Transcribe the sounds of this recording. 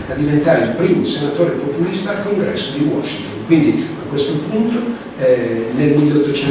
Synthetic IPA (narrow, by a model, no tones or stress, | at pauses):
ad̪ːivent̪aːɾeilpɾiːmʊsenat̪oːɾepopulist̪aːlkoŋɡɾɛ̰sːod̪iwɔʃːint̪onkwind̪iakwest̪opunt̪o | ɛnelmilːot̪ːot͡ʃɛ